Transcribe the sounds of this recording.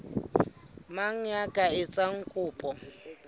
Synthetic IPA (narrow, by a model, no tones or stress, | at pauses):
maŋ̩jakʼaɪt͡sʼaŋ̩kʼʊːpʼɔ